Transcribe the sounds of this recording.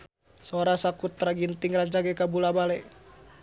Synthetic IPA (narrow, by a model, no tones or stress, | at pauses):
soɾasakut̪ːɾaɡint̪iŋraɲt͡ʃaɡɛkabulabalɛ